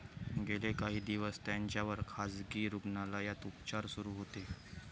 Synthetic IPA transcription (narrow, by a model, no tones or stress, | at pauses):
ɡelekaɦiːd̪iʋəst̪jaɲt͡ɕjaʋəɾkʰad͡zɡiːɾuɡnalajat̪upt͡ɕaɾsuɾuːɦot̪e